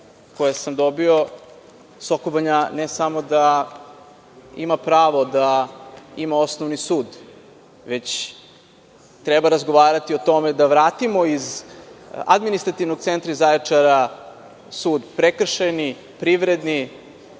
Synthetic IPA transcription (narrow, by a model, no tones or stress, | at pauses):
ko̞jesamd̪o̞bio̞ | sokobaɲanesamo̞d̪a | imapɾaːʋo̞d̪a | imao̞snoʋnisuːd̪ | ʋe̞t͡ɕ | t̪ɾɛbaɾazɡo̞ʋaːɾat̪io̞t̪o̞med̪aʋɾaːt̪imoiz | a̰d̪minist̪ɾat̪iʋnoɡ̚tsent̪ɾizajet͡ʂaɾa | suːd̪pɾekr̩ʃajni | pɾiʋɾed̪ni